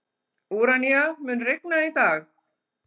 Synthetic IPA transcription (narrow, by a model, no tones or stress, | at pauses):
uːɾanijamʏnrɪknait̪aːɣ